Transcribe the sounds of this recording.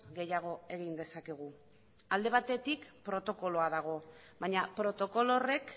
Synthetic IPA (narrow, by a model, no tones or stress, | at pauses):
ɣe̞jaɣ̞o̞e̞ɣind̪e̞sake̞ɣ̞u | ald̪e̞β̞at̪e̞t̪ikpɾo̞t̪o̞ko̞lo̞aðaɣ̞o̞ | βaɲapɾo̞t̪o̞ko̞lo̞re̞k